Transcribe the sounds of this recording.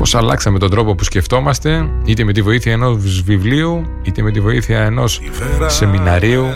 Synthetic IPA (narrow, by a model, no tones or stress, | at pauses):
po̞sɐlɐ̰ksɐme̞t̪o̞nd̪ɾo̞po̞pusce̞ft̪o̞mɐst̪e̞it̪eme̞t̪ivo̞iθiɐeno̞zzvivliu | it̪eme̞t̪ivo̞iθiɐe̞no̞s | se̞minɐɾiu